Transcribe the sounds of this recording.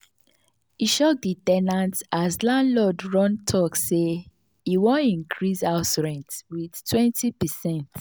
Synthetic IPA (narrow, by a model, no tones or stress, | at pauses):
iʃok̚ditɛnãntaslãnlɔdɹɔ̃ntʰɔkse | iwõnĩŋkʰɹisaʊtɹɛ̃ntwið̥tʰwɛ̃ntʰipɛsɛ̃nt